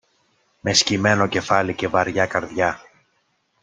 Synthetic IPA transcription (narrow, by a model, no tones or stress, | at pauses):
me̞scime̞no̞ce̞fɐlice̞vɐɾʝɐkɐɾðʝɐ